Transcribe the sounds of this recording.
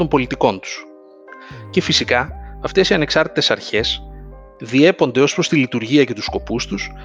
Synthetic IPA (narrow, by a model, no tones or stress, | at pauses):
o̞mbo̞lit̪iko̞nt̪u̥s | ce̞fisikɐɐft̪e̞siɐne̞ksɐɾt̪i̥t̪e̞sɐɾçe̞s | ðie̞po̞nd̪e̞o̞spɾo̞st̪ilit̪uɾʝiɐce̞t̪usko̞pust̪us